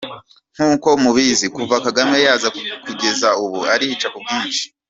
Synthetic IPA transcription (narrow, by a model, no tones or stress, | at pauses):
ŋ̥huːko̞muβizikuvakaɡame̞jaːzakuɡe̞zauβuaɾihit͡ʃakubɡiːnʃi̥